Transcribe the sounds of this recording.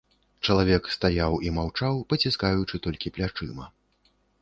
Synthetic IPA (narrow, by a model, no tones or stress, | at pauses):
t͡ʂɐlˠavʲɛkst̪ajawimawt͡ʂawpɐt͡sʲiskajut͡ʂɨt̪ɔlʲkʲiplʲat͡ʂɨmɐ